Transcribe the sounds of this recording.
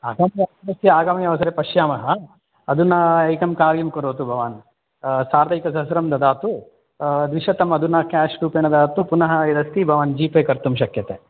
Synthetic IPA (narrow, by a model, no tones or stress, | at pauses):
aːɡaːmɐjɐɐdɐsjɐaːɡaːmɐjɐʋɐsɐɾepɐʃjaːmɐɦɐː | d̪unɐɐjkɐmkaːɾjɐmkoɾoːt̪ubʱɐʋaːn | saːɾd̪ɐjkɐs̬ɐsɾɐmd̪ɐd̪aːt̪u | d̪ʋiʃɐt̪ɐmɐd̪unɐkaːʂʈuːpeːnɐd̪aːt̪upunɐɦɐid̪ɐst̪ibʱɐʋaːnd͡ʒiːpeːkɐɾt̪umʃ̬ɐkjɐt̪e